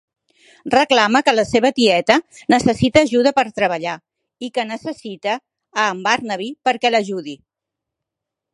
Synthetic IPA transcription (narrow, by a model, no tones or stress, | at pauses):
rəklaməkələseβət̪iɛt̪ənəsəsit̪əːʒuð̞əpəɾt̪ɾəβ̞əʎa | ikənəsəsit̪əː | mbarnəβipəɾkɛləʒuði